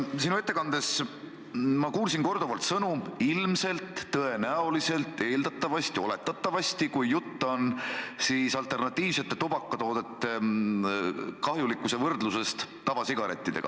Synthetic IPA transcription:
sinue̞t̪ːe̞kɑnd̪e̞s | mɑkuːlsinko̞rd̪̥uvɑlt̪sɤnuilmse̞lt̪ːɤe̞næo̞lise̞lt̪ːˑe̞ːld̪ɑt̪ːˑɑvɑst̪io̞̰le̞t̪ːˑɑt̪ˑːɑvɑst̪ikujːut̪ːo̞nsiːsɑlt̪ˑe̞rnɑt̪ʲːˑiːvset̪ːˑe̞t̪ub̥ɑkːɑt̪o̞ːd̪e̞t̪ːe | kɑɦjulikːˑuse̞vɤrd̪luse̞st̪ːɑvɑsiɡ̥ɑɾe̞̰t̪ːˑid̪̥e̞̰ɡ̥ɑ̰

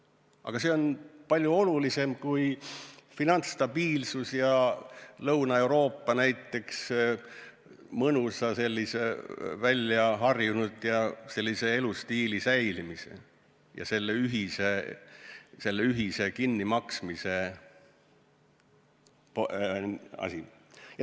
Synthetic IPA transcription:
ʔɑ̰ɡ̥ɑse̞o̞npɑlʲjuo̞lulise̞mkujfinɑnt̪st̪ɑbiːlsusjɑlɤwnɑe̞wɾo̞ːpːɑnæjt̪ːˑe̞ks | mɤnusɑse̞lʲːisevælʲːjɑɦɑrjunud̪̥jɑse̞lːise̞e̞lust̪iːlisæjlimisḛ | jɑ̰se̞lːe̞yɦise̞ | se̞lːe̞yɦise̞kinːimɑksmise̞ | po | ɑ̰sʲijɑ

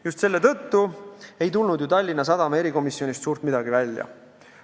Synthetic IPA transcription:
just̪se̞lːet̪ɤ̞t̪ːue̞jt̪̬ulnud̪jut̪ɑlʲːinːɑs̬ɑd̪ɑmɑe̞ɾiko̞misːjo̞nist̪suːɾt̪mid̪ɑɡ̥ivælʲjɑ̰

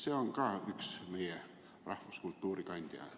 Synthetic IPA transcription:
seoŋkɑːyksmejæ | rɑhʋɑskult̪ːuːrikɑnd̪̥ʲjɑ̰

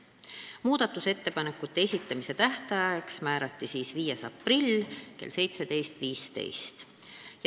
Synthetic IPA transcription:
muːd̪̥ɑt̪ːˑuse̞t̪ːe̞pɑne̞kːˑut̪ːe̞esʲit̪ːˑɑmise̞t̪æht̪ɑjɑeksmæːɾɑt̪ːisiːsviːjesɑ̰pːrilʲke̞̰lsejt̪se̞t̪e̞jst̪viːst̪e̞̰jst̪ | j

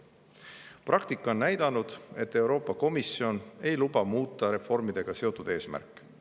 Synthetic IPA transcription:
prɑkt̪ikˑːo̞nnæjd̪̥ɑnud̪̥e̞t̪ːe̞wɾo̞ːpːˑɑko̞misio̞ne̞jlub̥ɑmuːt̪ːˑɑɾe̞fo̞rmid̪̥e̞ɡ̥ɑse̞o̞t̪ːˑud̪̥e̞ːsmæ̰rkːˑ

